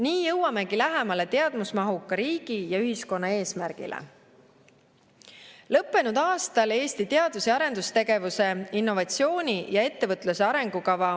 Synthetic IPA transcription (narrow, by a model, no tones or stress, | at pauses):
niːjɤwɑme̞ɡ̥ilæɦemɑle̞t̪eɑd̪musmɑɦukːˑɑɾiːɡ̥ijɑyɦisko̞nːɑe̞ːsmærɡ̥ḭlʔḛ | lɤpːe̞nud̪̥ɑːst̪ɑle̞ːst̪it̪e̞ɑd̪useɑɾe̞nd̪ust̪e̞ɡe̞vuse̞inːo̞vɑt̪sio̞ːnʲijɑe̞t̪ːe̞vɤt̪ːˑluse̞ɑɾe̞ŋɡ̥ukɑvɑ